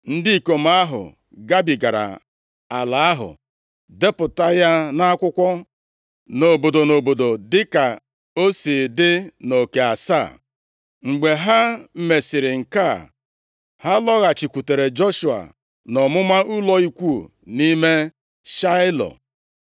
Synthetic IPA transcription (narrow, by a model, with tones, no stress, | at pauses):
n̩˦di˦i˨ko˨ma˦ɦʊ̰˨ | ɡa˦bi˨ɡa˨ɾa̰˨ | a˨la˨a˦ɦʊ̰˨ | de˦pʊ˨ta˦ja˦na˦kʷʊ˦kʷɔ˦ | no˨bo˨do˨no˨bo˨do˨dɪ˦ka˨ | o˦si˨dɪ˦no˨ke˨a˨sa̰˦˨ | ŋ͡m̩˨ɡ͡be˨ɦa˦m̩˨me˨sɪ˨ɾɪ˨ŋ̩˨ka˦˨ | ha˦lɔ˦ɣa˨t͡ʃi˨kʷu˨te˨ɾe˨d͡ʒo˦ʃu˨a̰˨ | nɔ˨mʊ˦ma˦ʊ˦lɔ˦i˦kʷu˦˨ni˦me˦ | ʃa˦ɪ˦lɔ̰˨